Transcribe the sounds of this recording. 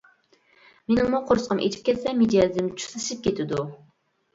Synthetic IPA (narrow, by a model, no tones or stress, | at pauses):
menɪmːuqʰoɾsqʰəmʔḛt͡ʃʰi̥p̚kʲʰɛt̪sɛmed͡ʒɑzɪmt͡ʃʰu̥sɨʃɨp̚kʲet̪ʰɪd̪u